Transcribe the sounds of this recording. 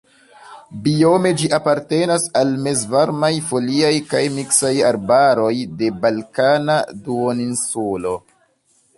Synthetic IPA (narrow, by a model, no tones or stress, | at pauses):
bio̞me̞d͡ʒiʔapaɾte̞nasalme̞zvaɾmajfo̞liajkajmiksajaɾbaɾo̞jde̞balkanaduoninsulo̞